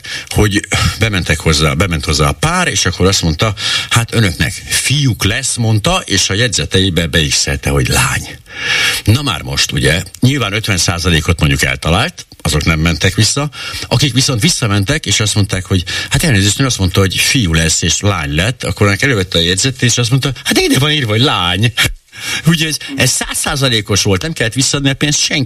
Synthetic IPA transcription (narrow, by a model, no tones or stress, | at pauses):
ho̞ɟbɛmɛnt̪ɛkhozːabɛmɛnt̪ho̞zːaːpaːɾeːʃɒkːo̞ɾɒst̪mo̞nt̪ɒhat̪ønø̞knɛ̰kfijuklɛsːmo̞nt̪ɒʔeːʃɒjɛdzɛt̪ɛibɛbɛiksɛ̰lt̪ɛɦo̞ɟla̰ːɲ | nɒma̰ːrmo̞̰ʃt̪uɟɛɲilvaːnø̞t̪ʋɛnsaːzɒleːko̞t̪moɲɟukɛ̰lt̪ɒlaːlt̪ | ɒzo̞knɛmːɛnt̪ɛkʋisːɒʔɒkikʋiso̞n̪t̪ʋisːɒmɛnt̪ɛkeːʃɒst̪mo̞n̪t̪aːkho̞ɟhat̪ɛlneːzeːʃt̪ɛnɒst̪mo̞nt̪ɒɦo̞ɟfijulɛsːeːʃla̰ːɲlɛt̪ːɒ̰kːoɾønːɛkɛløːvɛt̪ːɛːjɛdzɛt̪eːʃɒst̪monɒhat̪id̪evɒniːrʋɒɦoɟlaːɲ | uɟoɟɛzsaːsːaːzɒleːko̞ʃʋo̞lt̪nɛmkɛlːɛt̪ʋisːɒɒd̪niɒpeːnst̪ʃɛŋ